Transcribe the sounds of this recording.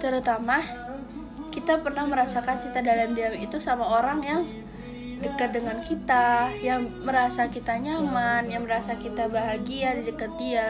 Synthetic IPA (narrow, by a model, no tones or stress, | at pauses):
t̪əɾut̪ama | kit̪apərnahməɾasakant͡ʃit̪adalamdiamit̪usamaoɾaŋjaŋ | dəkat̪̚dəŋankit̪ajaŋməɾasakit̪aɲamanjaŋməɾasakit̪abaɦaɡiadidəkat̪̚dia